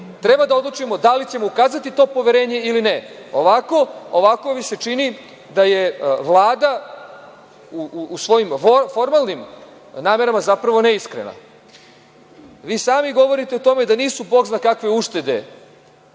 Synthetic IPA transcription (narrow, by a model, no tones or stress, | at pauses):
t̪ɾe̞bad̪ao̞d̪lˠut͡ʃimo̞d̪alit͡ɕe̞moukaːzat̪it̪o̞ːpo̞ʋeɾe̞ːɲe̞ilineoʋako̞oʋako̞ʋise̞t͡ʂini | d̪aje̞ʋlˠaːd̪a | uːsʋo̞jimfo̞ɾmalˠnim | naːme̞ɾamazapɾaʋo̞neiskɾe̞̰na̰ | ʋiːsaːmiɡo̞ʋo̞ɾit̪e̞ot̪o̞me̞d̪aniːsuboɡznakakʋe̞uʃt̪e̞d̪e̞̰